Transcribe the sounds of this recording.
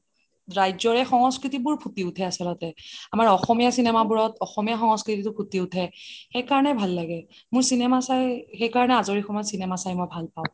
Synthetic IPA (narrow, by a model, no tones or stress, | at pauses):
ɹajzɔɹɛxɔŋɔskɹitibʊɹpʰutiʊtʰɛasɔlɔtɛamaɹɔxɔmijasinɛmabuɹɔtɔxɔmijaxɔŋɔskɹititʊpʰutiʊtʰɛxejkaɹɔnɛbʱalːaɡɛ | mʊɹsinɛmasajxejkaɹɔnɛazoɹixʰɔmɔjsinɛmasajmɔjbʱalpaʊ̃